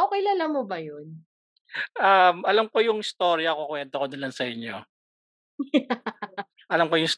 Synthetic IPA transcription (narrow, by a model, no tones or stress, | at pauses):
ʔokɛjlalamobɐjon | ʔɐmʔɐlamko̞jʊŋɪst̪o̞ːɾjɐkokwɛnt̪okod̪ɐlɐnsɐʔɪɲjo̞ | ʔɐlamko̞jʊŋs